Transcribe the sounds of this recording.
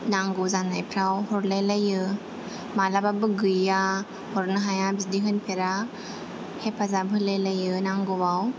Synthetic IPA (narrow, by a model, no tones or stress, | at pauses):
naŋɡuzanajpʰɾawhɔɾlejlajɯ | malababɯɡɯja | hɔɾnɯɦajabidiɦɯnpʰeɾa | hepʰazabɯlejlajɯnaŋɡubaw